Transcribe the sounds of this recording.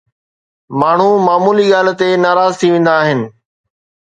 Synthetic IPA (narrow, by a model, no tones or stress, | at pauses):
maːɳ̤umaːmuːliɠaːlt̪enaːɾaːzt̪ʰiʋẽːnd̪aːɦɪnɪ̆